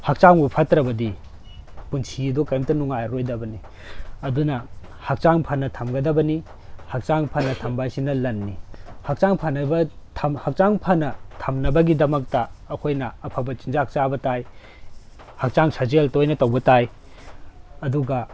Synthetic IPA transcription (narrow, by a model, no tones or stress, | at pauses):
hɐk̚t͡ʃaŋbupʰɐtɾɐbɐdi | punsidokɐjmtɐnuŋajɾojdɐbɐni | ɐdunɐhɐk̚t͡ʃaŋpʰɐnːɐtʰɐmɡɐdɐbɐni | hɐk̚t͡ʃaŋpʰɐnːɐtʰɐmbajsinɐlɐnːihɐk̚t͡ʃaŋpʰɐnɐbɐtʰɐmhɐk̚t͡ʃaŋpʰɐnɐtʰɐmnɐbɐɡidɐmɐk̚tɐːkʰojnɐːpʰɐbɐt͡ʃind͡ʒak̚t͡ʃabɐtaj | hɐk̚t͡ʃaŋsʰɐzeltojnɐtɐwbɐtaj | ɐduɡɐ